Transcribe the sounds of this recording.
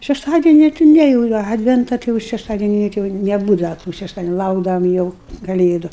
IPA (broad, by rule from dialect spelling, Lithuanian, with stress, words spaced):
ʃʲɛʃˈtɑːdʲɛnʲɪ tʲɪ ˈnʲɛ jɛʊ ˈɑːdʲʋʲɛntɐ ˈtʲɪ jɛʊ ʃʲɛʃˈtɑːdʲɛnʲɪ jɛʊ ˈtʲɪ jɛʊ nʲɛˈbuːdɐʋɐ tuː ʃʲɛʃˈtɑːdʲɛnʲʊ ˈlˠɐʊɡdɐʋɐm jɛʊ kɐˈlʲeːdʊ